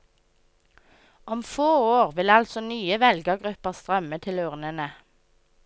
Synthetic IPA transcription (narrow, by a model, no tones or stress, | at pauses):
ɔmfoːoːʁʋɪlɑlsɔnyːəʋɛlɡəɡʁʉpəʁst̪ʁœmət̪ʰɪlʉʁnənə